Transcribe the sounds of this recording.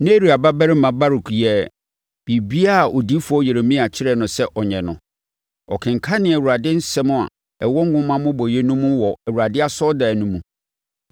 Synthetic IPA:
ne˦ɾi˨a˨ba˦bɛ˦ɾɪ˦mã˨ba˦ɾu˨kʰjɛ˨ | b̥i˨bi˦a˦˨ʔo˨di˦fʊ˨˦ɔ˦je˨ɾe˨mĩ˦a˨t͡ɕʰɪ˦ɾɛ˦nʊ̃˨sɛ˦ʔɔ˨ɲɛ̃˨nʊ̰̃˨ | ɔ̰˨kʰɪ̃˨ŋ˨kʰa˦nɪ̃˨ɛ˨u˨ɾa˨dɪ˦n̩˦sɛ˦mʊ̃˦a̰˨ | ɛ˨wɔ˦ŋ˦ɡʊ̃˦mã˦mʊ̃˦bɔ˨jɛ˦nũ˦mũ˦wɔ˨ɛ˨wu˨ɾa˨dɪ˦a˦sɔ˦da˨nũ˦mũ˨

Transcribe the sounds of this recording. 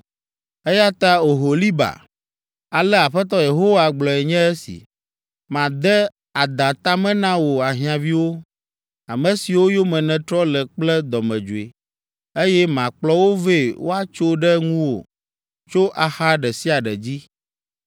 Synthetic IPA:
e˦ja˦t̪a˦o˨ɦo˨li˦ba̰˨ | a˨lɛ˦a˨ɸɛ˦t̪̬ɔ˦je˨ɦo˦wa˨ɡ͡blɔ˨ɛ˨ɲɛ̃˦ɛ˦sḭ˨ | mã˨d̪ɛ˦ | a˨d̪ã˨t̪a˦mɛ̃˦nã˦wo˨a˨ɦĩ˨ã˨vi˦wo˦ | a˨mɛ̃˨si˨wo˦jo˦mɛ̃˨nɛ̃˨t̪ɾɔ˦lɛ˨k͡plɛ˦d̪ɔ˨mɛ̃˨d͡ʒu˨e˨ | e˦jɛ˦mã˨k͡plɔ˦wo˦ve˦˨wʔo̰˦a˦t͡ʃo˦ɖɛ˦ŋũ˦wo̰˨ | t͡ʃo˦ʔa˨xa˦ɖɛ˨si˦a˨ɖɛ˨d͡ʑi˦

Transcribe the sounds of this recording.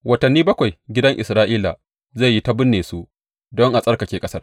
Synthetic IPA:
wɐ˨tɐ˨nːiː˦bɐ˦kʷa˨jɡʲɪ˦dɐ˦ŋʔɪ˨sɾaː˦ʔiː˦la˨ | ze˦˨jːi˦ta˦bʊ˦nːeː˨su˦ | dɔ˦ŋʔa˨sʼɐ˦rka˨kʲeː˨kʼɐ˦sɐ˦r

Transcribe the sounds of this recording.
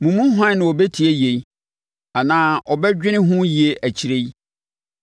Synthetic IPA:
mũ˨mũ˦ɦã˦nʊ̃˨wɔ˨be˦tʰi˨e˦je˨j | a˨nãː˦ʔɔ˨bɛ˦d͡ʑᶣɪ̃˦nɪ̃˦ɦʊ̃˦ji˨e˦ʔæ˨t͡ɕʰi˨ɾe˦j

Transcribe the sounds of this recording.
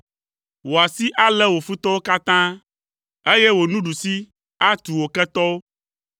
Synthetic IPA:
wo˨a˨si˦ʔa˦lɛ˦wo˨fu˦t̪ɔ˦wo˦ka˦t̪ã˦ | e˦je˦wo˨nũ˦ɖu˨si˦ | a˦t̪u˨wo˨kɛ˦t̪ɔ˦wo˦

